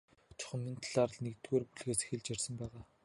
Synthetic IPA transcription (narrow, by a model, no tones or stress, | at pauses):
t͡ɕʰʊ̥̆χə̆mmint̪ʰɮarə̆ɮnekt̪ɡoːrpuɮɣeːse̥xɘ̆ɮt͡ɕarʲsə̆mpæːʁaː